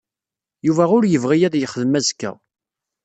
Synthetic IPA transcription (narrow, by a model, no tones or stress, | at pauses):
juvæʊɾjəvʁijæðjəχəðəmæzkːæ̰